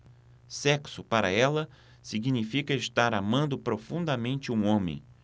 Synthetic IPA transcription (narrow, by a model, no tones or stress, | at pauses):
sɛksʊpaɾɐɛlɐ | siɡinifikɐeʃt̪aɾamɐ̃nd̪ʊpɾofũnd̪ɐmẽnt͡ʃɪũõmḛ̃j̃